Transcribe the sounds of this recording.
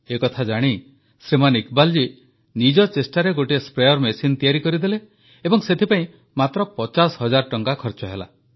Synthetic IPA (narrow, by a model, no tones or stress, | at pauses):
ekɔt̪ʰad͡ʒaɽ̃i | sɾimanikbald͡ʒi | nid͡ʒɔt͡ʃesʈaɾeɡoʈiespɾejɔɾmesint̪ijaɾikɔɾid̪eleː | bɔŋset̪ʰipaĩ | mat̪ɾɔpɔt͡ʃasɦɔd͡ʒaɾʈɔŋkakʰɔɾt͡ʃɔɦela̰